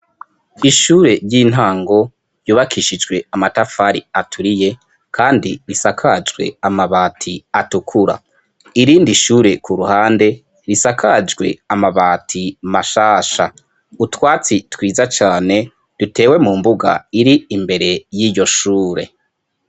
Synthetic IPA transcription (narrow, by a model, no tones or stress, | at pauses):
iʃuːɾe̞ɾɟiːn̥ɦaːŋɡo̞ | juːβakʰiʃid͡ʒɡwe̞amatafaɾiatʰuɾije̞ | kʰaːndiɾisakʰad͡ʒɡwe̞̰amaβaːtʰiatukʰuɾa̰ | iɾiːndiʃuːɾe̞kʰuɾuhaːnde̞ | ɾisakʰad͡ʒɡwe̞̰amaβaːtʰimaʃaːʃa | utwaːt͡sitwiːzat͡ʃaːne̞ | d̥ute̞ːwe̞mumbuɡa̰iɾiimbe̞ɾe̞jiːjo̞ʃuːɾe̞̰